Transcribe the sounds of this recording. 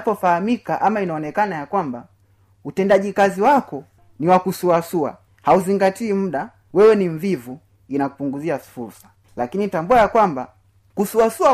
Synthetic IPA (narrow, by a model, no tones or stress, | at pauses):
pɔfahamikaʔamainaɔnɛkanajakwamba | utɛndaʄikaziwakɔ | niwakusuasua̰ | hauziŋɡatiːm̩ɗa | wɛwɛniɱ̩vivu | inaku̥puŋɡuziafuɾsḁ | lakinitambuajakwamba | kusuasua